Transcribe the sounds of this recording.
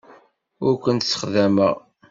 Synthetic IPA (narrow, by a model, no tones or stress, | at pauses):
ʊɾkʷənt̪sːə̥χðæməʁ